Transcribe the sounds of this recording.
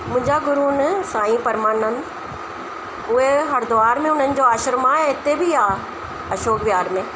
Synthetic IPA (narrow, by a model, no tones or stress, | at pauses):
mʊ̃ɦɪ̃ɲd͡ʑaɡʊɾuːnsãːĩpɐɾmaːnənɪ̆ | ʊɦeɦɐɾd̪ʊʋaːɾmẽʊn̤ənɪ̆d͡ʑoːaːʃəɾmaɪt̪ebɪaː | ɐʃoːkʋjaːɾmẽː